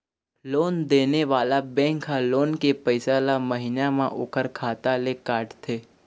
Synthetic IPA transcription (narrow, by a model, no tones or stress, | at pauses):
loːnd̪eːneʋaːlabɛ̃ːŋkɦaloːnkepəɪsalaməɦinamã̰ʔoːkəɾkʰaːt̪alekaːɾʈt̪ʰeː